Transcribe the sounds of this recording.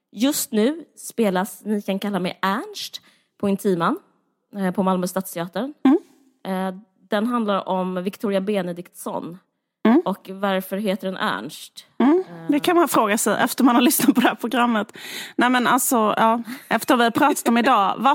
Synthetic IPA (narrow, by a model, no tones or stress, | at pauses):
jɵst̪nʉ̟ːspeːlasnɪkʰankʰalːaɾmɛ̰jʔæɳʂʈ | pʰɔɪnt̪ʰiːmanː | pʰɔmalmœst̪aːt̪st̪ʰɪɑːt̪əɾən | d̪̥ɛnɦand̪laɾɔmvɪkt̪ʰuːɾɪabeːnəd̪ɪkt̪sɔ̰n | ɔkvaɾfœɾɦeːt̪əɖɛnʔæ̰ɳʂʈ̩ː | d̪ɛkʰanmanfɾoːɡasɛjʔɛ̰ft̪əɾmanhaɾlʏsnat̪̚pʰɔd̪ɛhæːɾpʰɾʊɡɾamːət̪nɛmɛna̰lsɔjɑːʔɛft̪əɾɔmvɪhaɾpʰɾɑːt̪ʰat̪ɔmɪd̪ɑːva